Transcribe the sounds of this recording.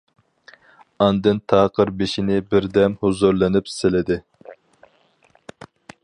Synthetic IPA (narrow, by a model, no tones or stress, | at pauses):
ɑnd̪ɨnt̪ʰɑːqəɾbeʃinɪbɪɾd̪ɛmhuzuɾlˠɪnɪpsɪlɪd̪ɪ